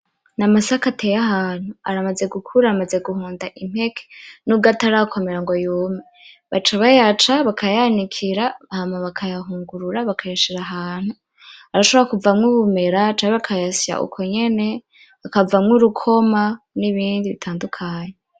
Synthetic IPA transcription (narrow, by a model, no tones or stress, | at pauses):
namasakatʰejaɦaːn̥huaɾamaze̞ɡukʰuɾaɾamaze̞ɡuhuːndaʔim̥he̞kʰe̥nuɡataɾakʰomeɾaŋɡo̞juːme | βat͡ʃaβajat͡ʃaβakʰajanikʰiɾaβahamaβakʰajaɦuːŋɡuɾuɾaβakʰajaʃiɾaɦaːn̥hu | aɾaʃo̞βoɾakuvamŋuβume̞ɾat͡ʃaɲiβakʰajasa̰ʔṵkʰo̞ɲe̞ne̞ | βakavamŋuɾukʰoma | niβiːndiβitʰaːndukʰaːɲe